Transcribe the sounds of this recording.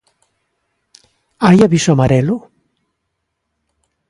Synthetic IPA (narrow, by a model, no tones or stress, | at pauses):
ajaβisamaɾelo